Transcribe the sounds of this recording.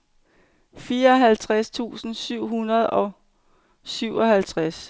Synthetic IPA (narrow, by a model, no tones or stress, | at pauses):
fiːɐɒ̽ɦælt͡sʰʁast͡sʰṵːsn̩syʊ̰ɦunɐð̞ˠɒ̽ | syʊ̰ɒ̽hælt͡sʰʁas